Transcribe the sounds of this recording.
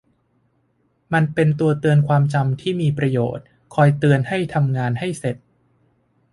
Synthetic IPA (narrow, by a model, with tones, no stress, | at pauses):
ma˧npe˧nt̪u˧ɐt̪ɯ˧ənkʰwaː˧mt͡ɕa˧mt̪ʰiː˥˩miː˧pɾa˧jo̰ː˨˩t̪̚ | kʰɔː˧jt̪ɯ˧ənha˥˩jt̪ʰa˧mŋaː˧nha˥˩jse˨˩t̪̚